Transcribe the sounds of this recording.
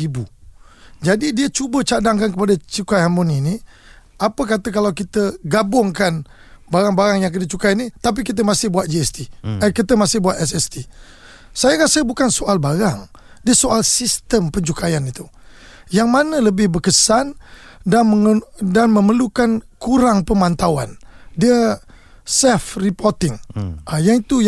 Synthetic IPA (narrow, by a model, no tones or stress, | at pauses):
ibu | d͡ʒadidiət͡ʃubət͡ʃadaŋkankəpadat͡ʃukajhamɔniniapəkat̪əkalawkit̪əɡabʊŋkan | baɾaŋbaɾaŋjaŋk̬it̪ət͡ʃukajnĩt̪ap̬ikit̪̬əmãsɪhbuat̪̚d͡ʒiɛst̪iənkit̪əmasɪhbuat̪ɛsɛst̪i | sajaɾasəbukansoʔalbaɾaŋ | diəsoʔalsist̪əmpəɲt͡ʃukajanit̪u | jaŋmanələbɪhbəkəsandanməŋdanməməlukankuɾaŋpəmãnt̪awandiə | sɛfripɔrt̪ɪŋajaŋit̪u